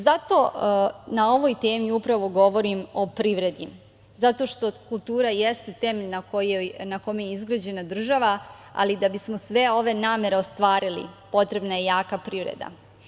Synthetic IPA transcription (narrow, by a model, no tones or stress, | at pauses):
zat̪o̞nao̞ʋo̞jt̪e̞ːmiupɾaʋo̞ɡo̞ʋo̞ɾimo̞pɾiʋɾe̞d̪i | zat̪o̞ʃt̪o̞kulˠt̪uːɾajest̪et̪emeʎnakojnako̞mejeizɡɾad͡ʑe̞nad̪r̩ʒaʋa | a̰lid̪abismo̞sʋe̞o̞ʋe̞naːme̞ɾeo̞st̪ʋaːɾilḭpo̞t̪ɾe̞bnajejaːkapɾiʋɾḛd̪a̰